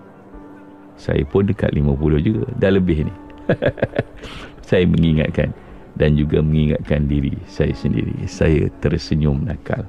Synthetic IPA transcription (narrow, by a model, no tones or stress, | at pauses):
sa̰jə̰pʊndəka̰ʔ̪̚limə̃pulʊhd͡ʒuɡadaləbɪhni | sajəməŋiŋa̰t̪̚ka̰n | dand͡ʒuɡaməŋiŋat̪̚kandiɾisajəsəndḭɾḭsajət̪ərsəɲʊmnakʰal